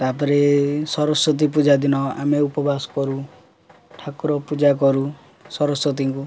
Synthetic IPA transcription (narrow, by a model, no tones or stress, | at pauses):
t̪apɔɾesɔɾɔsɔt̪̬ip̬ud͡ʒad̪inɔa̰meupɔbasɔ̥kɔɾu | ʈʰakɾɔpud͡ʒak̬ɔɾu | sɔɾɔsɔt̪̬iŋku